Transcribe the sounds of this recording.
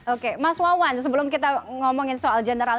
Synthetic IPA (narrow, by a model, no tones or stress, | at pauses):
okemaswawansəbəlʊmkit̪aŋɔmɔŋɪnsoald͡ʒɛnəɾal